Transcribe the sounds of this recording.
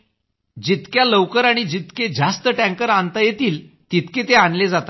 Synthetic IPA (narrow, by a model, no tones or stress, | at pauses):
d͡ʑit̪kjaləʋkəɾaɽ̃id͡ʑit̪ked͡zast̪əʈæ̃ŋkəɾant̪ajet̪iːl | t̪it̪ket̪eanled͡zat̪a